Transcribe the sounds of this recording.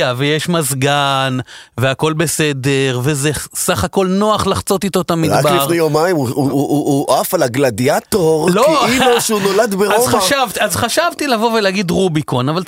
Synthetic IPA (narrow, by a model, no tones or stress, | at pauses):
avejeʃmazɡanveako̞lbe̞sede̞ʁve̞zesaχako̞lno̞aχlaχt͡so̞t̪it̪o̞t̪amiʁakbiʁnujomaimuuʔafalaɡlad̪iat̪oʁlomoʃeunolad̪beʁazχaʃavt̪iazχaʃavt̪ilavo̞veleaɡid̪ʁubikonaval